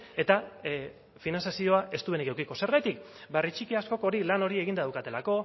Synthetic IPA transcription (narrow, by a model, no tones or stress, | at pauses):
e̞t̪a | finansjasio̞aʔe̞st̪uβe̞nikewkiko̞se̞ɾɣajt̪ik | barit͡ʃikiasko̞ko̞ɾilano̞ɾie̞ɣind̪aðawkat̪e̞lako̞